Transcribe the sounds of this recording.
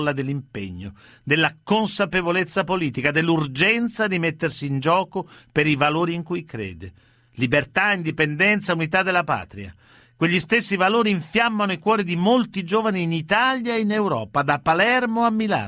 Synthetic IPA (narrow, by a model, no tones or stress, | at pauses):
lːad̪elːimpḛɲːo | d̪elːakonsapevolet̪sːapoliːt̪ikad̪elːurd͡ʒɛnt̪sad̪imet̪ːersiːnd͡ʒɔːkopeɾivaloːɾiːŋkujkɾḛːd̪e | libert̪aind̪ipɛnd̪ɛnt̪saunit̪ad̪ːelːapa̰ːt̪ɾia̰ | kweʎːist̪esːivaloːɾiiɱfjamːanoikwɔːɾid̪imolt̪id͡ʒoːvaniːnit̪aljaeinewɾɔ̰ːpad̪apːalɛrmoamːila̰ː